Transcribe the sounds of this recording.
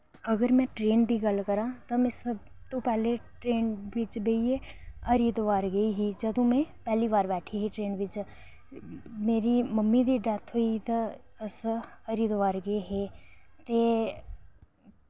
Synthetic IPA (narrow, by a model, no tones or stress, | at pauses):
əɡəɾmɛ̃ːʈɾeːnd̪iːɡəlkəɾãːt̪amɛ̃ːsəb | t̪õːpɛːleːʈɾeːnʋɪt͡ʃbeiəɾiːd̪ʋaːɾɡəiːɦiːd͡ʒəd̪õːmɛ̃ːpɛːliːbaːɾbɛːʈʰiːɦiːʈɾeːnʋɪt͡ʃ | meːɾiːməmːiːd̪iːɖɛːt̪ʰɦoːit̪ã | əsəɾiːd̪ʋaːɾɡəeɦeːt̪eː